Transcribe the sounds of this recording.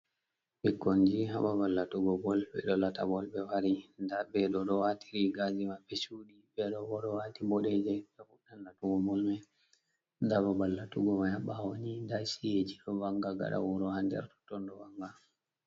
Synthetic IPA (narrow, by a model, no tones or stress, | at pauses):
ɓɛkoɲd͡ʒiɦa̰ɓabalːatuɡɔbɔlbɛ̰ɗɔlatabɔlbɛwaɾindabɛɗɔɗɔwatʰiɾiɡazimabɛsuɗibɛɗɔɡɔɗɔwatibɔɗɛd͡ʒɛɓɛfuɗanːatuɡɔbɔlmɛ | ndababalːatuɡɔmajaɓawoɲindasijed͡ʒiɗɔwaŋɡaɡa̰ɗa̰wɔɾɔhandɛ̰ɾtɔ̥tɔndɔwaŋɡa